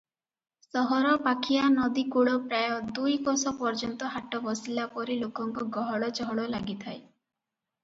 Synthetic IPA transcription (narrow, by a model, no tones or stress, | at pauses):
sɔɦɔɾɔpakʰijanɔd̪ikuɭɔpɾajɔd̪ujkɔsɔpɔɾd͡ʒɔnt̪ɔɦaʈɔbɔsilapɔɾilokɔŋkɔɡɔɦɔɭɔt͡ʃɔɦɔɭɔlaɡit̪ʰae